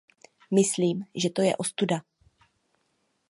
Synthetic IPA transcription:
mɪsliːmʒɛt̪o̞jɛ̰ʔo̞st̪uda

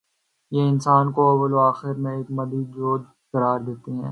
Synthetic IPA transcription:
jeɪnsaːnkoɐʋəloaːxɪɾmẽeːkmɐd̪id͡ʒoːd̪ | kɐɾaːɾd̪eːt̪eɦɛ̃ː

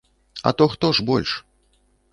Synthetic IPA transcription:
ɐ̰t̪ɔxt̪ɔʐbɔlʲʂ

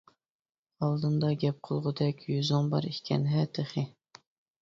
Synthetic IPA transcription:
ɑlˠd̪ɨnd̪ɑɡʲɛp̚qʰəlˠʁʊd̪ɛkʲʰjyzʊŋbɑ̰ɾikʲʰɛ̰nɦɛt̪ʰɪχɨ

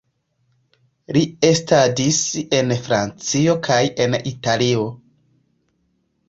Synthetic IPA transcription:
liestadise̞nfɾa̰nt͡sio̞kʰaje̞nitalio̞

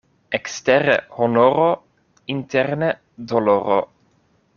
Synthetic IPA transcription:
ɛkst̪ɛɾə̰honoɾo | int̪ɛɾnə | d̪oloɾo̰

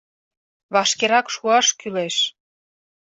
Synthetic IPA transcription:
βɑʃkeɾɑkʃuɑʃkyleʃ

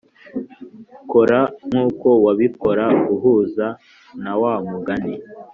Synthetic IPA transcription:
koɾaŋuːko̞waβiko̞ɾaɡuɦuːza | nawamuɡani

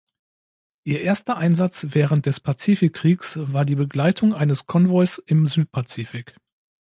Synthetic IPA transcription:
ʔiːɐʔeːɐstɐʔaɪnzat͡sv̥ɛːʁənt̚d̥ɛspʰat͡siːfɪkʰːʁ̥iːksv̥aːɐdiːbəɡlaɪtʰʊŋʔaɪnəskʰɔnvɔʏsɪmzyːt̚pʰat͡siːfɪk

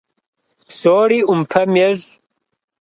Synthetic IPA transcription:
soːɽiumpʰɐmeʐ

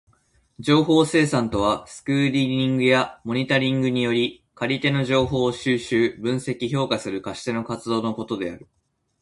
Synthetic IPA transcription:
d͡ʑo̞ːɦo̞ːse̞ːsãnt̪o̞β̞asɨ̥kɯ̟ːɾʲiĩŋɡɯ̟jamo̞ɲ̟it̪aɾʲĩŋɡɯ̟ɲ̟ijo̞ɾʲi | kaɾʲit̪e̞no̞ʑo̞ːɦo̞ːɕɨːɕɨːbɯ̟̃ɰ̃se̞kʲiço̞ːkasɨɾɯ̟kaɕi̥t̪e̞no̞kat͡sɨd̪o̞ːno̞ko̞t̪o̞d̪e̞aɾɯ̟

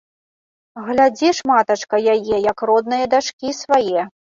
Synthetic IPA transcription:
ɣlʲad͡zʲiʂmat̪ɐt͡ʂkɐjajɛjɐkrɔd̪nɨjɐd̪aʂkʲisvajɛ

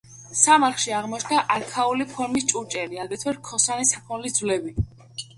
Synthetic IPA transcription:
samaɾχʃiaʁmɔt͡ʃʰnaʔakʰaulipʰɔɾmist͡ʃʼut͡ʃʼɛliaɡɾɛt̪ʰwɛɾ̚kʰɔsanisapʰɔnlid̪zvlɛbi

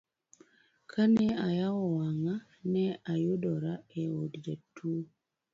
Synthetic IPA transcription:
kʰanɛajawɔwaŋa | nɛajodɔɾaɛwɔdidatʰu

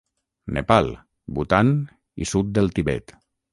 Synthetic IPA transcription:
nʔḛpalˠ | but̪an | ḭsut̪̚d̪elˠt̪iβɛ̰t̪

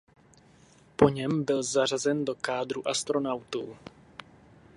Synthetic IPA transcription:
po̞ɲɛmbɪlzar̝azɛndo̞kaːd̪ɾuʔast̪ɾo̞nawt̪uː

